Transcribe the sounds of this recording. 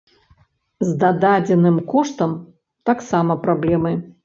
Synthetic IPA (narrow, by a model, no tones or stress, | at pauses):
zd̪ad̪ad͡zʲɛnɨmkɔʂt̪ɐm | t̪aksamɐpɾablʲɛmɨ